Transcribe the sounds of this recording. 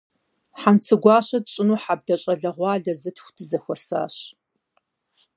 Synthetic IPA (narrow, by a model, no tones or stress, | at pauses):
ħant͡sʰɨɡʷɑːɕɐdɕʼɪnuːħab̚ɮɐɕʼɐɮɐʁʷɑːɮɐzɨtxʷdʰɨzɐxʷɔsa̰ːɕ